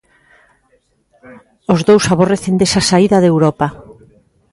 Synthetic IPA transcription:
ozðowsaβoreθend̪esasaiðaðewɾɔpa

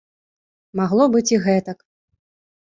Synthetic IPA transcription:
maɣlˠɔbɨt͡sʲiɣɛt̪ɐk

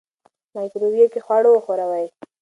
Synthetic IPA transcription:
najkɾobjekexwaɽoəxoɾawaj

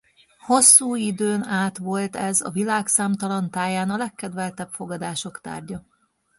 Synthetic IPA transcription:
ho̞sːuːid̪øːnaːt̪ʋo̞lt̪ɛzɒ̰vilaːksaːmt̪ɒlɒnt̪aːjaːnɒlɛkːɛd̪ʋɛlt̪ɛpfo̞ɡɒd̪aːʃo̞kt̪a̰ːrɟɒ

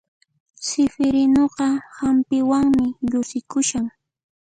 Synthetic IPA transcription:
sɪfɪɾɪnoqɑhampɪwaŋmɪʎʊsɪkʊʃaŋ

